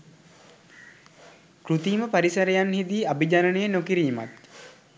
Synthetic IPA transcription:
kɾut̪iːməpaɾisəɾejanhid̪iːabid͡ʒanənejənokiɾiːma̰t̪

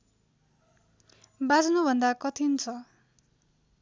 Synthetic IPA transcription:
bad͡znubʱʌnd̪akʌt̪ʰint͡sʰʌ

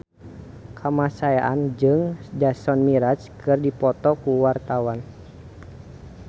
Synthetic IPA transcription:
kʰamasajaʔand͡ʒɨŋd͡ʒasɔnmiɾat͡ʃkɨrdipɔt̪ɔkuwart̪awan

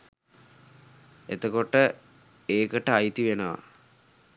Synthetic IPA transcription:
ḛt̪əkoʈə | eːkəʈəajt̪iʋenəʋa̰

